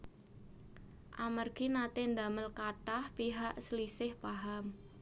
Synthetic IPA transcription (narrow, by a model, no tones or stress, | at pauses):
ʔamərɡ̥inat̪ɪnd̪a̤məlkatahpiɦaʔsəlisɪhpaɦam